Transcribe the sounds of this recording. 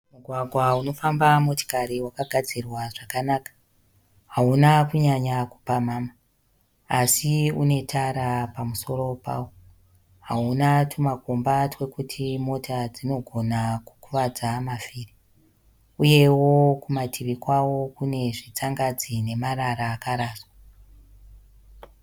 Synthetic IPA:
muɡʱwaɡʱwauno̞fambamoto̥kaɾiwakaɡʱad͡zirwaʐakanaːkḁ | ɦaunakuɲaɲaku̥pamaːma | asiune̞tʰaɾapamuso̞ro̞pa̰ːwo | ɦaunatʰumakumbatwe̞kutʰimo̞tʰad͡zino̞ɡʱo̞naku̥kuʋad͡zamafiːri | uje̞wo̞kumatʰiʋikwawo̞kune̞ʐit͡saŋɡad͡zine̞maɾaɾaːkaɾaːswa

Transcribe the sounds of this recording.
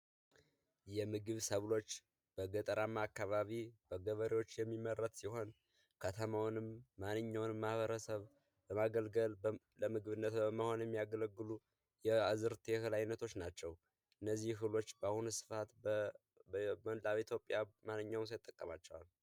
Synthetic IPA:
jɛmɨɡɨβsəβlo̞t͡ʃː | b̥əɡət̪ʼəɾamːaːkːaβaβib̥əɡəβəɾewot͡ʃːjɛmːimːərːət̪siho̞n | kʰət̪ʰəmawnɨmːanːɨɲːawnmahβəɾəsəβ | bəmaɡəlɡəl | ləmɨɡɨβɨnːət̪bəməho̞njɛmːijaɡələɡːɨlu | jɛazɨɾt̪ʰehɨlajnːət̪ʰo̞t͡ʃːnat͡ʃːɛw | ʔɨnːəzːihɦɨlo̞t͡ʃːbahunsɨ̥fat̪ | mənd̪aβit̪jo̞pʼjamanːɨɲːawns̬ajɨt̪ʼːəkʼːəmat͡ʃːɛwal

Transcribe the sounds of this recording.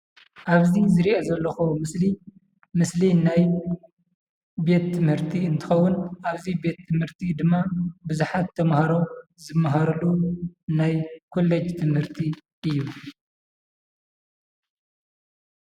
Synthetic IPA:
ʔaβzizɨɾiʔɐzɐlːɐxumɨsli | mɨslinaj | be̞t̪ʰːɨmhɨɾt̪ʰiɨnt̪ʰɨxɐwːʊnʔaβzibe̞t̪ʰːɨmhɨɾt̪ʰid̪ɨmːabɨzuħat̪ʰːɐmhaɾo̞zɨmːɐɦaɾɐlunajkʰo̞lːed͡ʒt̪ʰɨmhɨɾt̪ʰi | ʔɨjːu

